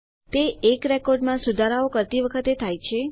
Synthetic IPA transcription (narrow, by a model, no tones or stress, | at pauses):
t̪eekɾekɔɾɖmãsud̪ʱaɾaokəɾt̪iʋəkʰət̪et̪ʰajt͡ʃʰe